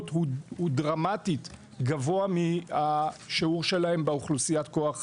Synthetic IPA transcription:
tɦuhudʁamatit | ɡavo̞amiaʃiuʁʃe̞lahe̞mbeuχlusijat̪ko̞aχ

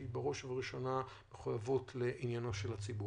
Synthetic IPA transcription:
ibaʁo̞ʃvaʁiʃo̞na | meχujavotleʔinjanoʃelhat͡sibu

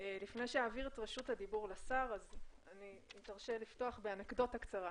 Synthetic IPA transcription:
elifnejʃejaːviʁetʁeʃuthad̪ibuʁlasaʁazanimitaʁʃelifto̞aχbeanakdo̞thakt͡saʁa

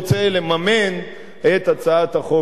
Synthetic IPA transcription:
t͡selemamen | et̪at͡saat̪haχo

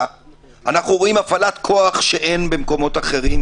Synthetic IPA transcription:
anaχnuʁo̞imafalat̪kʰo̞aχʃe̞ʔe̞nbe̞mko̞mo̞t̪aχe̞ʁim

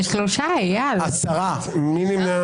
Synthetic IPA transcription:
ʃloʃajalasaʁa | minima

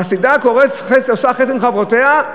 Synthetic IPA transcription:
asid̪ako̞ʁesχesoʃaχesimχavʁot̪ea

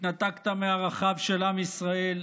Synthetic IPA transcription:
nat̪akt̪ameaʁaχavʃelamisʁael

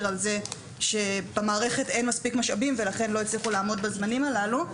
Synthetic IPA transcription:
ʁalze̞ | ʃe̞bamaːʁe̞χe̞tejnmaspikmaʃabimve̞laχe̞nlo̞et͡sliχulaːmo̞dbazmanimalalu

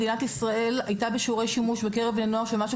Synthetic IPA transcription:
dinatisʁae̞lajtabeʃuʁe̞jʃimuʃbekeʁevneno̞aʁʃelmaʃu

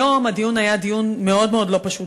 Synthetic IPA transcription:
omad̪ijunajad̪ijunmeod̪meod̪lopɐʃut̪

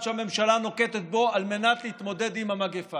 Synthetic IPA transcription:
ʃeame̞mʃalano̞ke̞t̪et̪̚bo̞alme̞nat̪lehit̪mo̞d̪e̞d̪imhamaɡefa

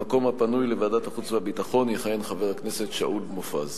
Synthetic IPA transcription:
ako̞mhapanujlevaːd̪at̪haχut͡svabit̪aχo̞njeχajenχaveʁhakne̞se̞t̪ʃaʔulmofa̰z

